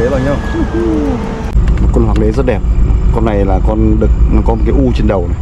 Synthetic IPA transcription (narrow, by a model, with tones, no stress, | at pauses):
e˨˦laː˨˩ɲa˧˩ | mo˨˩t̚kɔ˧nhwaː˨˩ŋ̚ɗe˨˦zə˦˥t̚ɗɛ˨˩p̚kɔ˧nːa˨˩jlaː˨˩kɔ˧nɗɨ˨˩k̚ːkɔ˨˦m˨t̚kaː˨˦ʔu˧t͡ɕe˧nɗə˨˩wna˨˩˨